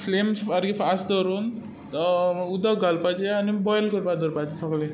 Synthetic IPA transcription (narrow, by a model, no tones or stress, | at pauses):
fʰlemsaɾɡifasd̪ɔɾuːn | ud̪əɡʱalpad͡ʑeanibɔjlkəɾpad̪əɾpad͡ʑesəɡlẽ